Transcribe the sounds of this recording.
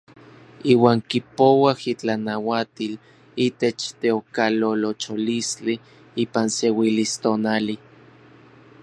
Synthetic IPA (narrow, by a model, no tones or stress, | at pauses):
iːwaːŋkipowahit͡ɬanawat̪il | it̪et͡ʃt̪eokalolot͡ʃolist͡ɬi | iːpansewilist̪onali